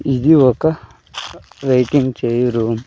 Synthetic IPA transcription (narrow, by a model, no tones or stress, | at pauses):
id̪iɔkːɐ | ʋeːʈiŋɡt͡ʃejɾum